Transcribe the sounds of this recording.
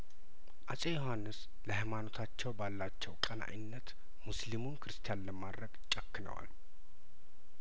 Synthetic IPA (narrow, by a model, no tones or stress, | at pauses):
ʔat͡ʃʼejohanːɨs | ləhajmano̞t̪ʰat͡ʃːɛwbalːat͡ʃːɛwkʼəna̰jɪnːət̪ | muslimunkʰɨɾɨst̪ʰijanləmad̪ɾəɡ̥t͡ʃʼəkːnə̰wa̰l